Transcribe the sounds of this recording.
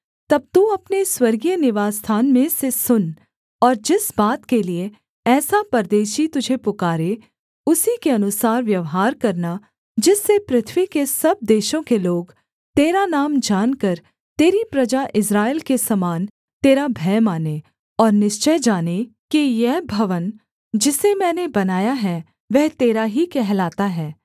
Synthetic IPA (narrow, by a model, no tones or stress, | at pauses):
t̪ɐb̚t̪uɐpneswɐɾɡijənɪʋaːst̪ʰaːnmẽsesʊn | ɔːɾd͡ʒɪsbaːt̪kelie | ɛːsapɐɾd̪eːʃit̪ʊd͡ʒʱepʊkaːɾe | ʊsikeɐnʊsaːɾʋjɐʋɦaːɾkɐɾna | d͡ʒɪsːepɾɪt̪ʰʋikesɐb̚d̪eːʃõkeloːɡ | t̪eːɾanaːmd͡ʒaːnkəɾ | t̪eːɾipɾɐd͡ʒaʔɪsɾaːelkesɐmaːn | t̪eːɾabʱɛːmaːne | ɔːɾnɪʃt͡ʃəjd͡ʒaːnekijɛɦbʱɐʋən | d͡ʒɪsemɛ̃ːnebɐnaːjaɦɛ | ʋɛɦt̪eːɾaɦikɛɦlaːt̪aɦɛː